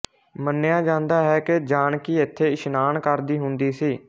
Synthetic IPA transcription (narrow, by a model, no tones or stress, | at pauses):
mənːɪjãːd͡ʒãːnd̪aːɦɛːkɪd͡ʒaːɳkiɪt̪ʰːeːɪʃnaːɳkəɾd̪iːɦʊnd̪iːsiː